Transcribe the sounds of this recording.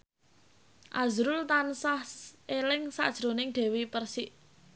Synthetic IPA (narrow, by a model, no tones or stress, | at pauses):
ʔazɾʊlt̪ansahsʔelɪŋsa̰ʔd̥ʒ̥ɾo̤nɪŋɖ̪̥ɛ̤wipərsiʔ